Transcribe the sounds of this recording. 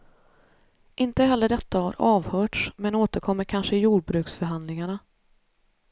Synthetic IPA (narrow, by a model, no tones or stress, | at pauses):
ʔɪnt̪əɦɛlːəɖɛt̪ːaha̰ɾɑːvhœːʈʂmɛnoːt̪əɾkʰɔmːəɾkʰanʂəjuːɖ̚bɾʉ̟ːksfœɾɦand̪lɪŋaɳa